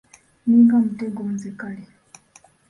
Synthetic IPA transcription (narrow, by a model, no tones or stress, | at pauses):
niŋɡam̩tɛŋɡɔm̩zɛkalɛ